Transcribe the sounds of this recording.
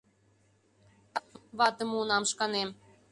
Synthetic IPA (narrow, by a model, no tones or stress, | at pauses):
βɑt̪ə̆munɑmʃkɑnem